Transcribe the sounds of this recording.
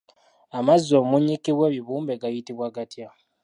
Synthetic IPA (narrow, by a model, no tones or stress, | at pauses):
amazːo̞ːmuɲːikiweːβiβuːmbeɡajitiβwaɡatja